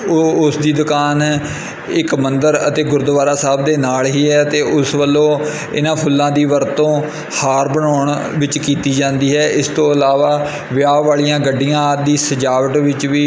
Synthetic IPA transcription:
ʊsd̪iːd̪ʊkaːn | ɪkmənd̪əɾət̪eːɡʊɾd̪ʋaːɾaːsaːbd̪eːnaːlɦiːɛːət̪eːʔʊsʋəlːõː | ɪ̰nãːpʰʊlːãːd̪iːʋəɾt̪õː | haːɾbəɳɔːɳ | ʋɪt͡ʃkiːt̪iːd͡ʒãːnd̪iːɦɛːɪst̪õːəlaːʋaː | ʋɪjaːʋaːlijãːɡəɖːijãːd̪iːsəd͡ʒaːʋəʈʋɪt͡ʃʋiː

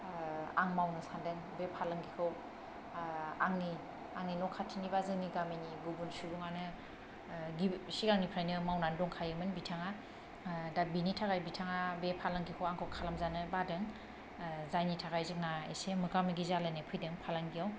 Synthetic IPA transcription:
aŋmawnɯsandɯŋbepʰalaŋɡikʰɯw | aŋni | aŋninɔkʰatʰinibazɯŋniɡamijniɡubunsubuŋanɯ | ɡisikaŋnipʰɾajnɯmawnandɔŋkʰajɯmɯnbitʰaŋa | dabinitʰaɡajbitʰaŋabepʰalaŋɡikʰawaŋkʰɯwkʰalamzanɯbadɯŋ | zajnitʰaɡajzɯk̚naḛsemɯkamiɡizalɯnepʰɯjdɯŋpʰalaŋɡijaw

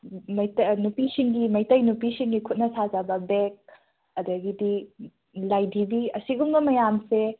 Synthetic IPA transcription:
mɐjtnupisiŋɡimɐjtɐjnupisiŋɡikʰut̚nɐsazabɐbek̚ | ɐdɐɡidi | lajdʱibiɐsiɡumɡɐmɐjamse

